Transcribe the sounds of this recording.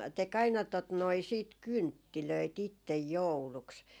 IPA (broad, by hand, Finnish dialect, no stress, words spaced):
tek ɑinɑ tot noi siːt kyntːiløit itːej jouluks